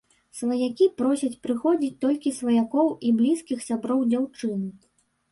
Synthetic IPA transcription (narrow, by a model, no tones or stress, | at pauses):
svˠɐjakʲipɾɔsʲɐt͡sʲpɾɨxɔd͡zʲit͡sʲt̪ɔlʲkʲisvɐjakɔwiblʲiskʲixsʲabɾɔwd͡zʲawt͡ʂɨnɨ